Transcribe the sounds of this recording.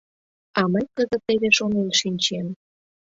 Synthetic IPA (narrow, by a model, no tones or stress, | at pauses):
ɑməjkəzə̆t̪eβeʃonenʃinʲt͡ɕem